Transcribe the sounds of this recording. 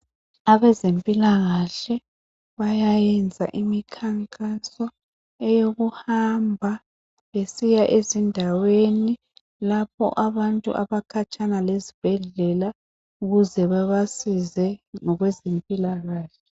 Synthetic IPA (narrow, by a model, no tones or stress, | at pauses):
aβɛzempʼilaɣaɬɛ | βajajɛnd͡zʱa̰ʔimikʰaŋkʼasɔ | ɛjoɣuhambʱa | βesijaʔezindʱaweni | lap̚ʰɔ̰ʔaβantʼṵʔaβakʰat͡ʃʼʰanalezib̥ʱɛɮɛla | uɣuzɛβaβasizɛŋɔɣwɛzempʼilaɣaːɬɛ